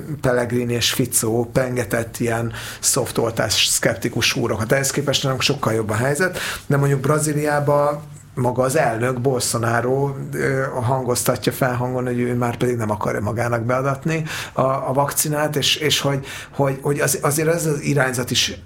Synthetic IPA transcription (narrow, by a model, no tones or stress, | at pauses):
pɛlːɛɡrineːʃfit̪soːpɛŋɡɛt̪ɛt̪ːijɛn | so̞ft̪olt̪a̰ːsʃskɛp̚t̪ikuʃuːɾo̞kɒt̪ɛɦɛskeːpɛʃtnaːloŋkʃo̞kːɒljo̞bːɒɦɛjzɛt̪d̪ɛmoɲɟuɡ̚brɒzilijaːbɒ | mɒɡɒːzɛlnø̞ɡbo̞lso̞naːɾoːøːɦɒŋɡo̞st̪ɒcːɒfɛlɦɒŋɡo̞nho̞ɟøːmaːrpɛd̪iɡnɛmɒkɒ̰rjɒ̰mɒɡaːnɒɡbɛɒd̪ɒt̪niɒːvɒkt̪sinaːt̪eːʃeːʃho̞ɟ | ho̞ɟho̞ɟɒzɒzeːɾɛzɒziɾaːɲzɒt̪iʃ